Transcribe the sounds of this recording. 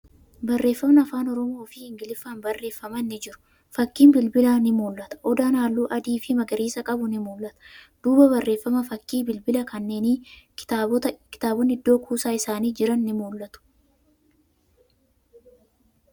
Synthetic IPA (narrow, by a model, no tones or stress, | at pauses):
bɐrːe̞ːfːɐmnɐːfaːnɔɾɔmo̞ːfɪhɪŋɡɪlɪfaːnbɐrːʔe̞ːfːɐmɐnːɪd͡ʒɪɾʊ̥ | fɐkːiːnbɪlbɪlaːnɪmuːlːɐt̪ɐ̥ʔɔd̪aːnaːlːuːʔɐd̪iːfɪmɐɡɐɾiːsɐkʼɐbʊnɪmuːlːɐt̪ɐ̥ | d̪̥uːbɐbɐrːʔe̞ːfːɐmɐfɐkːiːbɪlbɪlɐkɐnːe̞ːniɪt̪aːt̪ɐkɪ̥t̪aːbɔnɪd̪ːo̞ːkʰuːsaːɪsaːniːd͡ʒɪɾɐnːɪmuːlːɐt̪ʊ̥